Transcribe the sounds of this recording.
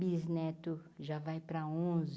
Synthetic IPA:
biznɛt̪ʊʒavajpɾɐõz

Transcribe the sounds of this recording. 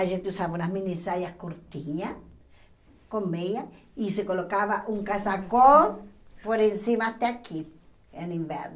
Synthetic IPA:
aʒent̪eusaβaunamĩnisaɾjahkoɾt̪iɲa | komeja | isekolokaβaʔuŋkasako | poɾensimat̪eakʰi | enimbḛɾno

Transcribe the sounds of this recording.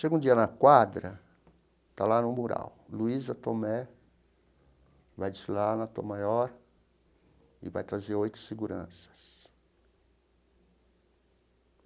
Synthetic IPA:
ʃeɡũd͡ʒiɐnɐkwad̪ɾɐ | t̪alanʊ̃muɾa̰wluizɐt̪omɛ | vajd͡ʒɪslaɾnɐt̪o̰majɔɾ | ɪ̰va̰jt̪ɾazeɾojt̪ʊ̥seɡuɾɐ̰̃sɐ̥s

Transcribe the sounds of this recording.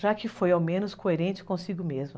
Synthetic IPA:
ʒakɪfojawmẽnʊskoeɾẽnt͡ʃɪ̥kõsiɡʊmezmʊ

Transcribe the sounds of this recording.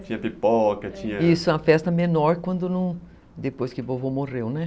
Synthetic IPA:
t͡ʃĩɲɐpipɔkɐt͡ʃĩɲɐisʊɛ̃ɐfɛst̪ɐmenɔɾkwɐ̃nd̪ʊnɐ̃w̃ | d̪epojskɪbovomorewnɛ

